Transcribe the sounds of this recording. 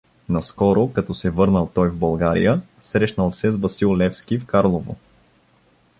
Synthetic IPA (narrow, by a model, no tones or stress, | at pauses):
nɐskɔɾokɐt̪ɔsɛvɤɾnəlˠt̪ɔjvbɐlˠɡaɾḭjə | sɾɛʃnəlˠsɛzbɐsilˠlɛfsk̟ifkaɾlˠovo̰